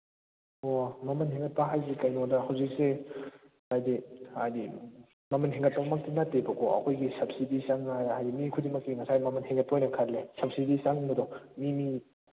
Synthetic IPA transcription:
omɐmɐnheŋɡɐt̚pɐɦajzikajnodɐhawzik̚se | ajdihajdi | mɐmɐnɦeŋɡɐt̚pɐbɐmɐk̚tinatːebɐkɔɐ̰kʰojɡisɐb̚sidisaŋajajdimikʰudimɐkːiŋɐsajmɐmɐnheŋɡɐt̚pojnɐkʰatlesɐp̚sidisaŋmɐdɔmimi

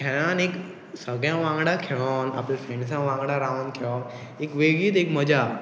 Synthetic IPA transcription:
kʰɛɭãnek | səɡɭjãʋãŋɡɽakʰeɭana̰plafẽns̬ãʋãŋɡɽaɾaʋ̃nkʰeɭan | ekʋeɡiːt̪ekməd͡ʑa

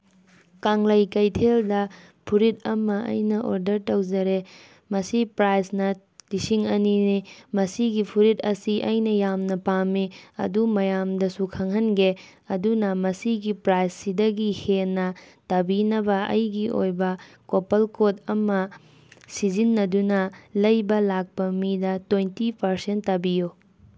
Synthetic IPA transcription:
kaŋlɐjkɐjtʰeldɐ | pʰuɾit̚ɐmɐɐ̰jnɐʔoɾdɐɾtɐwd͡ʒɐɾe | mɐsipɾajsnɐ | lisiŋɐninimɐsiɡipʰuɾit̚ɐsiʔɐjnɐjamnɐpamiɐ̰dumɐjamdɐsukʰɐŋɦɐnɡe | ɐdunɐmɐsiɡipɾajssidɐɡihenːɐtɐbinɐbɐɐ̰jɡio̰jbɐ | kopɐlkodɐmɐ | sizinːɐdunɐlɐjbɐlak̚pɐmidɐtojntipɐɾsentːɐbijo

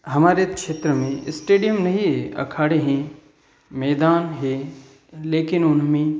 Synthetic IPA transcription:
ɦɐmaːɾekʃeːt̪ɾəmẽɪsʈeːɖijəmnɐɦiɐ̰kʰaːɽeɦẽ | mɛːd̪aːnɦe | leːkɪnʊnmẽ

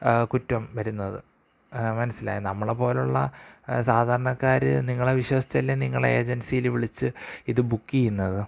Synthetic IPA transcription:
kutːɐmʋɐɾunːɐðɨ̰ | mɐnɐsːila̰ːjinɐmːɐɭepo̞ːluɭːɐ̰saːd̪ʱaːɾɐɳɐkːaːɾɨ̰niŋːɐɭeʋiɕʋɐsit͡ɕːɐlːeniŋːɐɭeːd͡ʑɐnsijilʋiɭit͡ɕːɨiðɨbukːijunːɐðɨ

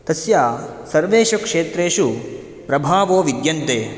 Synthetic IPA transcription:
t̪ɐsjaː | sɐɾʋeːʃɐkʂeːt̪ɾeːʃu | pɾɐbʱaːʋoːʋid̪jɐnt̪eː

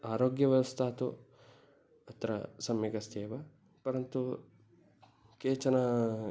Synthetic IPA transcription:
aːɾoːɡjɐʋɐst̪ʰaːt̪u | ɐt̪ɾɐ̰sɐmːiɡɐst̪eːʋɐ | pɐɾɐnt̪u | keːt͡ʃɐnɐ

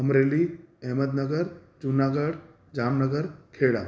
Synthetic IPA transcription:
ɦɐmɾeːliɛɦməd̪nəɡəɾd͡ʒunaːɡəɽ | d͡ʑaːmnəɡəɾkʰeːɽa̰ː

